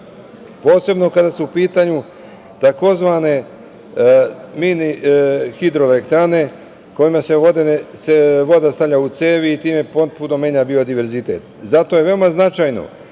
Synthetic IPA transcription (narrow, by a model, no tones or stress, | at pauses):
po̞ːse̞bno̞kad̪asuupiːt̪aɲu | t̪ako̞zʋane̞ | minixid̪ɾoelekt̪ɾane̞ | ko̞jimaseod̪eseʋo̞d̪ast̪aʋʎʲaut̪seːʋiːt̪iːmepot̪punomeɲabiːo̞d̪iʋe̞ɾzit̪ḛt̪zat̪o̞je̞ʋe̞omaznat͡ʃajno̞̰